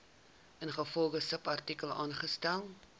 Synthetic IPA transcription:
ənχəfɔlˠχəsəpɐrtikəlˠɑːnχəstælˠ

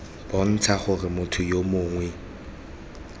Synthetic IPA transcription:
b̥ɔn̩t͡sʰaχʊrɪmʊtʰʊjomʊːŋwɛ

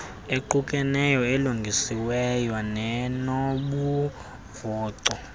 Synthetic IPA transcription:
eǃukʼɛnɛjɔeluŋɡʱisiwɛjwanɛnoɓu | vɔːǀɔ

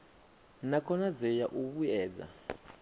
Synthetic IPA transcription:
nakʰɔnazɛjaʔuɓuɛːd͡za̰

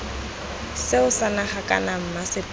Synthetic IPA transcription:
sɪʊsanaχakʼa̰nam̩masɪp

